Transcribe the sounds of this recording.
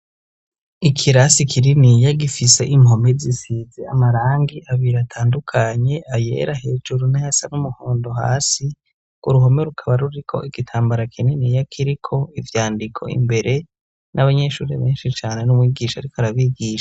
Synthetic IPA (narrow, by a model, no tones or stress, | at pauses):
ikʰiɾasikʰininijaɡifise̞ʔimho̞mezisizea̰maɾaːŋɡiʔaβiɾatʰaːndukʰaɲe̞ʔaje̞̰ɾahe̞ːd͡ʒuɾunahasanumuhoːndo̞ha̰ːsi | kṵɾuɦo̞me̞ɾukʰaβaɾuɾikʰo̞̰ʔiɡ̥itʰaːmbaɾakʰininijakʰiɾikʰo̞ivjaːndikʰo̞̰ḭmbe̞ɾe̞ | nʔaβaɲe̞ʃuːɾḛβe̞ːnʃit͡ʃaːne̞numwiːɡiʃaaɾikoaɾaβiːɡiːʃḁ